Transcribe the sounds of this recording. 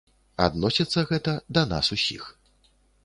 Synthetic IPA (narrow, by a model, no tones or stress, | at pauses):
a̰d̪nɔsʲit̪sːɐɣɛt̪ɐd̪ɐna̰susʲḭx